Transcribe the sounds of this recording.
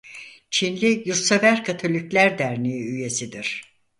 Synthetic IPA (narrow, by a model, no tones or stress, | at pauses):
t͡ʃʰinlʲijuɾsavæɾkʰat̪ʰo̞lʲiclʲæɾd̪æɾniyje̞sid̪iɾ̥